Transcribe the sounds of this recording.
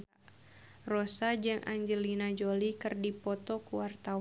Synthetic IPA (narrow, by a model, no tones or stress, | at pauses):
rɔsad͡ʒɨŋʔa̰ɲd͡ʒəlinad͡ʒolikɨrdipɔt̪ɔkuwart̪aw